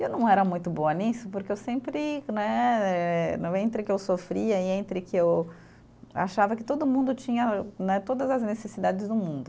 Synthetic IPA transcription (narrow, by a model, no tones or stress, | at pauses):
ewnɐ̃w̃ɛɾɐmũj̃t̪ʊbõɐnisʊpoɾkeewsẽmpɾɪnɛɛɛẽnt̪ɾɪkɪewsofɾiɐɪẽnt̪ɾɪkɪew | a̰ʃavɐkɪt̪od̪ʊmũnd̪ʊt͡ʃĩɲɐnɛt̪od̪ɐzɐznesesid̪ad͡ʒɪzd̪ʊmũnd̪ʊ